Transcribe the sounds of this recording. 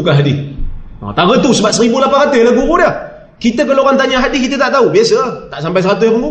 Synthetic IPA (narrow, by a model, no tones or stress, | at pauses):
ukaɦadḭ | t̪aɣət̪usəbaʔ̚səɾibulapaɾat̪ɪhlaɡuɣudə | kit̪ək̬əloɣant̪aɲaɦadikit̪ət̪aʔt̪aubiasət̪aʔsampajs̬əɾat̪əkəɡu